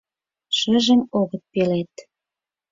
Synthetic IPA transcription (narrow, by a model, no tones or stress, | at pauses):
ʃə̆ʒə̆moɣə̆t̪̚pelet̪